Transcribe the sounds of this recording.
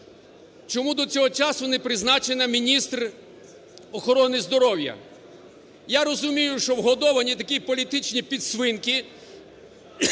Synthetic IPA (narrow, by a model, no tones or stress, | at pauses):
t͡ʃɔmud̪ɔt͡sʲɔɦɔt͡ʃasʊnɛpɾɪznat͡ʃenɐmʲinʲist̪r | ɔxɔɾɔnɪzd̪ɔɾɔwjɐ̰ | jaɾɔzʊmʲijʊʃt͡ʃɔwɦɔd̪ɔʋɐnʲit̪ɐkʲipɔlʲit̪ɪt͡ʃnʲipʲid̪sʋɪnkɪ